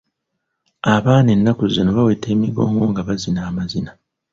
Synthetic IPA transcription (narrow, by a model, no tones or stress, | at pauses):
aβaːnenːakuzinoβawe̞ːte̞ːmiɡo̞̰ːŋɡo̞ŋɡaβazinaːmazina